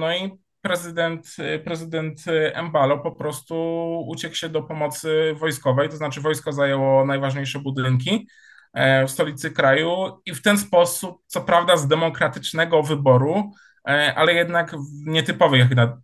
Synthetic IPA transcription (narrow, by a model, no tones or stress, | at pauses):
nɔi | pɾɛzɘd̪ɛnt̪pɾɛzɘd̪ɛnt̪ɛ̰mbalɔpɔpɾɔst̪uut͡ɕɛkwɕɛd̪ɔpɔmɔt̪sɘvɔjskɔvɛjt̪ɔznat͡ʂɘvɔjskɔzajɛwɔnajvaʐɲejʂɛbud̪ɘŋk̬ʲi | fst̪ɔlʲit̪sɘkɾajuift̪ɛnspɔsup̚t̪sɔpɾavd̪azd̪ɛmɔkɾat̪ɘt͡ʂnɛɡɔvɘbɔɾu | ʔa̰lɛjɛd̪nakvɲɛt̪ɘpɔvɛjaxd̪a